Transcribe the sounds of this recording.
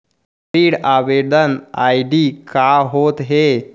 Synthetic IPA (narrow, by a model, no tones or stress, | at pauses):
iːɽaʋed̪ənajɖikaɦot̪ɦe